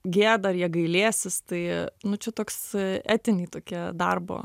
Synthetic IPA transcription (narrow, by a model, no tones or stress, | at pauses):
ɡʲeːɛd̪ɐɐɾjiɛɡɐɪlʲeːsʲɪst̪ɐɪnʊt͡ʃʲɛt̪oːksæːt̪ʲɪnʲiːt̪oːkʲiɛd̪ɐrbo̰ː